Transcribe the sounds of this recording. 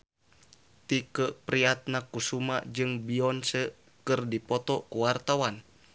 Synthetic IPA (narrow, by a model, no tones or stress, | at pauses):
t̪ikəʔpɾiat̪̚nakusuma̰ʔd͡ʒɨŋbiɔnsə | kɨrdipɔt̪ɔkuwart̪awan